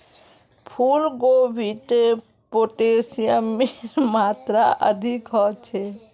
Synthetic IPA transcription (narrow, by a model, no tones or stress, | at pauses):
pʰulɡobʱit̪e | poːʈesijamːemaːt̪ɾaʔə̰d̪ʱikɦɔt͡ʃʰe